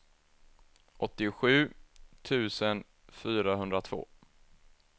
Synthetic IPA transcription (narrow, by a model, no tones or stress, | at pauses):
ʔɔt̪ːɪɧʉ̟ːt̪ʰʉ̟ːsən | fyːɾaɦɵnd̪ɾat̪ʰv̥o̰ː